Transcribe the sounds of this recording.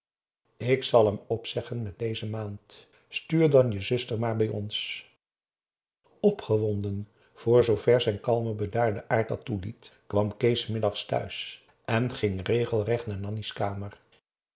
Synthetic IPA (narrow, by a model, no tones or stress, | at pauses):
ɪksɑlˠɦɛmɔpsɛχənmɛt̚dejzəmaːnt | styːɹdɑnjəzɵstəɹmaːɹbɛjɔ̰ns | ɔpχəʋɔndən | v̥ʊːɹzowvɛɹzɛjnkɑlˠməbədaːɹdəʔaːɹt̚dɑtulitkʋɑmkejsmɪdɑχstœ̰ɥs | ʔɛnχɪŋrejχəlˠrɛχtnaːɹnɑniskaːməɹ